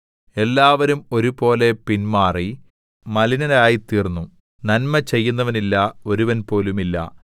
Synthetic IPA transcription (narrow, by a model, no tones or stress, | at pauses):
e̞lːaːʋɐɾumo̞ɾupo̞ːle̞pinmaːri | mɐlinɐɾaːjit̪iːrnːu | nɐnmɐt͡ɕe̞jːunːɐʋɐnilːɐo̞ɾuʋɐnpo̞ːlumilːɐ̰